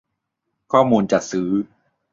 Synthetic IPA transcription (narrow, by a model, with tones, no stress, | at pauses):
kʰɔː˥˩muː˧nt͡ɕa˨˩sɯː˩˦˥